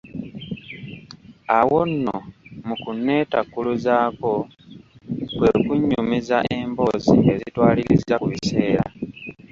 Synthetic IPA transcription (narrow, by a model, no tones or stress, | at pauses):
awo̞nːomukunːe̞ːtakːuluzaːko̞ | kwe̞kuɲːumizaʔe̞mbo̞ːzḭe̞zitwaːliɾizakuβise̞ːɾa̰